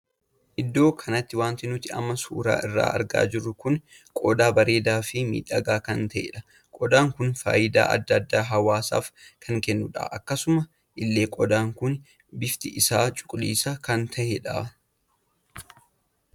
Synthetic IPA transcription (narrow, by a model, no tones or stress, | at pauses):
ʔɪd̪ːo̞ːkʰɐnɐt̪ːɪwaːnt̪ɪnʊt̪ɪɐ̰mːɐsṵːɾa̰ːʔɪrːa̰ːʔɐ̰ɾɡa̰ːd͡ʒɪrːʊkʊn | kʼɔd̪aːbɐɾe̞ːd̪aːfɪmḭːᶑɐɡaːkɐnt̪ɐʔḛᶑɐ | kʼɔd̪aːŋkʊnfa̰ːjɪd̪a̰ːʔɐ̰d̪ːɐd̪ːaːɦɐwaːsa̰ːfkʰɐŋkɛnːʊᶑa̰ːʔɐkːɐsʊmɐ | ʔɪlːe̞ːkʼɔd̪aːŋkʊn | bɪft̪ɪʔɪsaːt͡ʃʼʊ̥kʼlḭːsɐkɐnt̪ʰɐʔɛᶑa̰